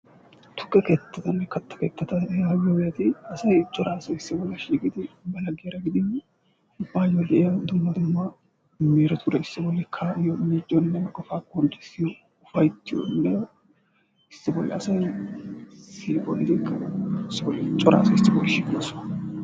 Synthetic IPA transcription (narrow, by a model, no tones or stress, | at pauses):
t̪ʊ̥kʼːɐket̪ːɐt̪ɐnːɛkɐt̪ːɐ̥keːt̪ːɐt̪ɐjajobɛjɐt̪ɪɐsɐjt͡ʃʼːɔɾaːsɐɪsːɪbɔlːɐʃiːɡɪd̪ɪbɐlɐɡeːɾɐɡɪd̪ɪ | ʊbaːjolːɛɛjɐd̪ʊmːɐd̪ʊmːɐ | meːɾɐt̪ʰʊd̪ɐɪsːɪbɔlːɛkʰːɐjoned͡ʒʼɔnːɛmɐkʼɔfaːkʼɔnt̪ːʊɪsːɪjɔ | ʊfɐjt̪ːɪjɔ̰nːɛ | ɪsːɪbɔlːɛ̰ɐsɐj | siːbɔld̪ɪkʼːɐɪsːɪbɔlːɛt͡ʃʼɔɾa̰ːsɐɪsːɪbɔlːɛʃikɐsʊ